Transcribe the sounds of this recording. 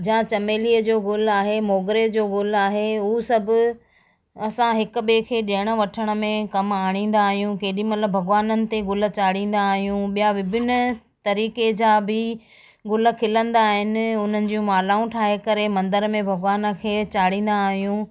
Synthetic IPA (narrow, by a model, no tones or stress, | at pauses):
d͡ʑãt͡ɕɐmeːliːəd͡ʑoːɡʊl̤aːɦemoːɡɾed͡ʑoːɡʊl̤aːɦeuːsɐbʱʊ | ɐsãɦɪkʊ̆ɓeːkʰeːɗeɪɽ̃ə̆ʋɐʈʰəɽ̃ə̆mẽkɐmaːɽ̃ĩːn̆d̪aːɦijũkeːɗĩmɐt̪ləbʱɐɡʋaːnənɪ̆t̪eɡʊl̆t͡ɕaːɽĩːn̆d̪aːɦijũɓijaʋɪbʱɪn | t̪ɐɾiːked͡ʑaːbʱɪ | ɡʊlə̆kʰɪlə̃nd̪aːɦɪnɪ̆ʊn̤ənɪ̆d͡ʑũmaːlaːũʈʰaːɦekɐɾemɐ̃nd̪əɾmẽbʱɐɡʋaːnə̆kʰeːt͡ɕaːɽ̤ĩːn̆d̪aːɦijũ